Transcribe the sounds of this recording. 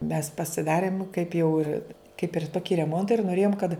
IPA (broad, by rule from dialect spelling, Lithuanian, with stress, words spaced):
mʲɛs pɐsʲɪˈdɑːrʲɪm kɐɪp jɛʊ ɪr kɐɪp ɪr ˈtoːkʲɪ rʲɛˈmoːntɐ ɪr noːˈrʲeːjoːm kɐt